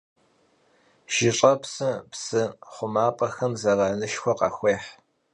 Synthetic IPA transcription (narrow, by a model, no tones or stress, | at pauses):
ʒ̥ɪɕʼɐpsɨpsɨχʷʊmaːpʼɐxɐmzɐraːnɨʃxʷɔqɑ̰xʷeːħ